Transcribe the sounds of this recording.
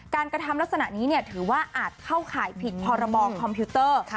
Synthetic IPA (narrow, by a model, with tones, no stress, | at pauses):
kaː˧nkɾa˧t̪ʰa˧mla˦˥k̚sa˧na̰˨˩ʔniː˦˥ni˥˩ɐt̪ʰɯː˩˦waː˥˩ʔaː˨˩t̪̚kʰa˥˩wkʰaː˩˦jpʰi˨˩t̪̚pʰɔː˧ɾa˧bɔː˧kʰɔ˧mpʰiː˦˥t̪ɤː˥˩